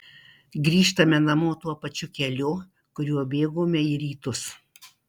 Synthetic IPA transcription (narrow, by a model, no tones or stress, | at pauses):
ɡɾʲiːʃt̪ɐmʲɛnɐmʊt̪uɔpɐt͡ʃʲʊkʲɛlʲʊ | kʊɾʲuɔbʲeːɡoːmʲɛɪɾʲiːt̪ʊs